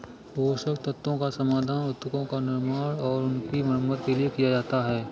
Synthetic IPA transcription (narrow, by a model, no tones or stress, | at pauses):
ʋoːsəkt̪ɐt̪ːõkasɐmaːd̪ʱaːnʊt̪ːʊkõkanɪɾmaːɽɔːɾʊnkimɐɾməd̪̚keliekijad͡ʒaːt̪aɦɛː